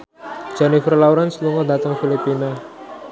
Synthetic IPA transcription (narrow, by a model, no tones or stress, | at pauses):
d͡ʒ̥anifərlawɾansluŋɔd̪at̪əŋfilipina